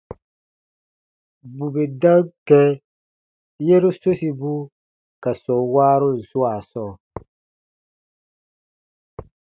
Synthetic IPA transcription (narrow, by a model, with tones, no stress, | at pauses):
bu˨be˨dã˦ŋkɛ˦ | je˦ɾo˦so˦si˨bu˦ | ka˨sɔ˨waː˦ɾo˦n̩˨su˦a˨sɔː˦